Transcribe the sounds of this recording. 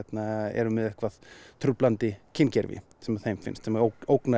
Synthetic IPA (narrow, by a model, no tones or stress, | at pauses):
ɛt̪naɛ̰ɾʏmːɛðɛhkvaðt̪ʰɾʏplant̪ɪcʰɪncɛɾvɪ̰ | sɛmaθejmfɪ̰nst̪sɛmaoowkna